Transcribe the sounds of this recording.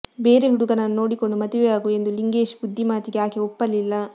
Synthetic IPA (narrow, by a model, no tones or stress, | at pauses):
beːɾeɦiɽukɐnɐnno̞ːɽikoɳɖumɐt̪iʋejaːɡue̞nd̪uliŋɡe̞ːʃbud̪ʱːimaːt̪iɡeaːkeɔpːɐlːilːɐ